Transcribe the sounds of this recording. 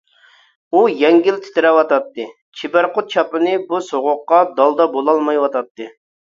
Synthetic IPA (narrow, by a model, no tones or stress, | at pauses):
ujɛŋɡʲilt̪ʰɪ̥t̪ʰɪɾɛwɑt̪ɑt̪ːɨ | t͡ʃʰibæɾqʊt̪̚t͡ʃʰɑpɨnɨbusoʁʊqːɑd̪ɑlˠd̪ɑbolˠɑlˠmɑjwɑt̪ʰɑt̪ːɨ